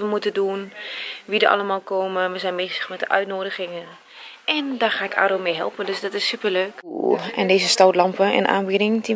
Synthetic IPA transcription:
ʋəmutədunʋidəɹʔɑ̰ləmaːlˠkoːməʋəzɛjnmezəxmɛt̚dəʔœ̰ɥtnoːdəɣɪŋən | ʔɛndaːχaːɪkʰa̰ːdoːmejɦɛ̰lˠpəndøsdɔtɪsypərløːkɛ̰ndeːzəstawtlɑmpəɛ̰nʔa̰ːnbidɪŋdi

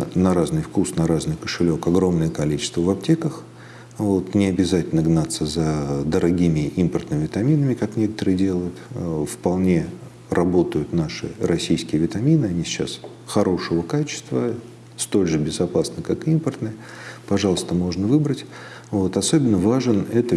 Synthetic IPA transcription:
nɐɾaznɨjfkusnɐɾaznɨjkə̥ʂɨlʲo̞kɐɡɾo̞mnəjəkɐlʲit͡ɕɪ̥st̪vəvɐp̚tʲe̞kəx | vo̞t̪nʲɪɐbʲɪzatʲɪlʲnəɡnat̪sːəzəd̪əɾɐɡʲimʲɪʔimpərt̪nɨmʲɪvʲɪt̪ɐmʲinəmʲɪkaknʲe̞kə̥t̪əɾɨɪdʲe̞lˠəjʊt̪fpɐlˠnʲe̞ | rɐbo̞t̪əjʊt̪naʂɨ̰ɾɐsʲijskʲɪjəvʲɪt̪ɐmʲinɨɐnʲisʲɪt͡ɕːa̰s | xɐɾo̞ʂəvəkat͡ɕɪ̥st̪və | st̪o̞lʲʐɨbʲɪzɐpasnəkakimpərt̪nɨj | pɐʐɑlˠəst̪əmo̞ʐnəvɨbɾətʲ | vo̞t̪ɐso̞bʲɪnːəvaʐɨnɛt̪ə

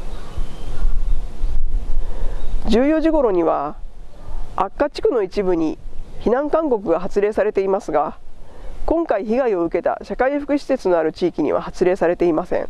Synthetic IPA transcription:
d͡ʑɨːjo̞ʑiɡo̞ɾo̞ɲ̟iβa | akːat͡ɕi̥kɯ̟no̞it͡ɕibɯ̟ɲ̟içinãŋkãŋko̞kɯ̟ɡaɦat͡sɨɾe̞ːsaɾe̞t̪e̞imasɨɡa | kõ̞ŋkaiçiɡaio̞ɯ̟ke̞t̪a̰ɕakaiɸɯ̟̥kɯ̟ɕi̥se̞t͡sɨno̞aɾɯ̟t͡ɕiːkʲiɲ̟ḭβa̰hat͡sɨɾe̞ːsaɾe̞t̪e̞imasẽ̞̰ŋ

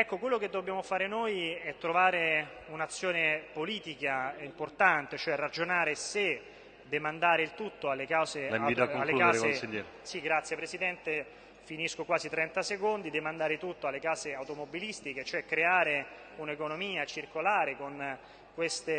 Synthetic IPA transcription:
ɛkːokwelːok̟ed̪ːobːjaːmofaːɾenojɛt̪ːɾovaːɾe | unat̪sːjoːnepoliːt̪ikaimport̪ant̪et͡ʃoɛrːad͡ʒonaːɾese | d̪emand̪aːɾeilt̪ut̪ːoalːekawszeaait̪aoalːekaːzesiʎɛɾ | siɡɾat̪sjepɾesid̪ɛnt̪e | finiskokwaːzit̪ɾɛnt̪asekond̪id̪emand̪aːɾet̪ut̪ːoalːekaːzeawt̪omobilist̪iket͡ʃoɛkːɾeaːɾe | unekonomiːat͡ʃirkolaːɾekon | kwest̪e

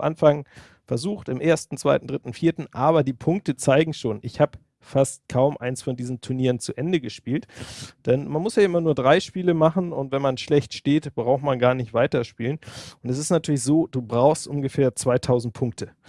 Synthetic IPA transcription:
ʔa̰nfaŋ | fɛɐzuːxtɪmʔeːɐstn̩t͡sv̥aɪtn̩dʁɪtn̩fiːɐtn̩ʔaːβɐdiːpʰʊŋk̚tət͡saɪɡŋ̩ʃoːnʔɪçhaːbə | fast̚kʰaʊmʔa̰ɪnsfɔndiːzn̩tʰuɐniːʁənt͡suʔɛndəɡəʃpiːltd̥ɛnmanmʊsjaʔɪmɐnuːɐdʁaɪʃpiːləmaχn̩ʊntv̥ɛnmanʃlɛçtʃteːtb̥ʁaʊxmanɡaːɐnɪçtv̥aɪtɐʃpiːlənʔʊntɛs̬ɪstnatʰyːɐlɪçz̥oːd̥uːbʁaʊxstʔʊnɡəfeːɐt͡sv̥aɪtʰaʊzn̩t̚pʰʊŋk̚tʰə

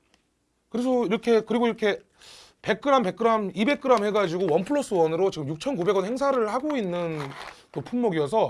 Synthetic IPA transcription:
kɯɾes̬ʰʌiɾʌkʰe̞kɯɾiɡoiɾʌkʰe̞ | pe̞k̚k͈ɯɾampe̞k͈ɯɾamibe̞k̚k͈ɯɾamhe̞ɡad͡ʑiɡowʌnpʰɯɭːos͈ɯwʌnɯɾot͡ɕiɡɯmjuk̚t͡ɕʰʌnkube̞ɡʌnheŋsʰaɾɯɭhaɡoinːɯnkɯpʰunmːoɡijʌs̬ʰʌ

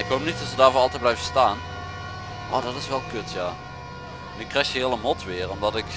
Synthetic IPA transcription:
ɪkɦowp̚nitɔtsədaːɹvʊːɑlˠtɛjt̚blɛjvəstaːn | ʔo̰ːdɑtɪsʋɛlˠkøtjaː | nykrɛxjəɦɪːlˠəmɔtʋɪːrɔmdɑtɪk

